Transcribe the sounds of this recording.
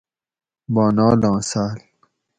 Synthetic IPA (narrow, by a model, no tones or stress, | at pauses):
bɔːnɑːlɑ̃ːsaːl